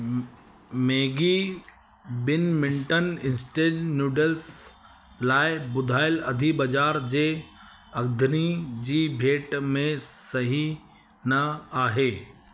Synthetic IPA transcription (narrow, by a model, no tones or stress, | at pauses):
meːɡi | bɪnmɪ̃ɳʈənɪnsʈeːd͡ʒnjuːɖels | laːɪbʊd̪ʱaːɪlɐd̪ʱibɐd͡ʑaːɾd͡ʑeː | ɐɡd̪ʱnid͡ʑiːbʱeːʈmẽsɐɦi | nɐaːɦeː